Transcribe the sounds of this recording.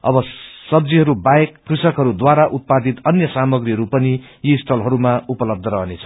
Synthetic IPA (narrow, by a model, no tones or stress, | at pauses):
ʌ̰bʌsʌb̚d͡ziɦʌɾubaekːrusʌkɦʌɾud̪waɾaʔut̪̚pad̪it̪ʌnjʌsamʌɡriɦʌɾupʌni | jisʈʰʌlɦʌɾumaupʌlʌb̚d̪ʱʌɾʌɦnet͡sʰʌ̥